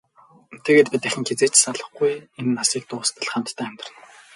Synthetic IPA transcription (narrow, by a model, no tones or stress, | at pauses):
t̪ʰeɣeːt̪pʲit̪æxʲɘ̆ŋxet͡seːt͡ɕsaɮə̆χɡujenːasiːk̚t̪ʊːst̪ʰə̆ɮχam̥t̪ʰːæːmʲt̪ɪrə̆n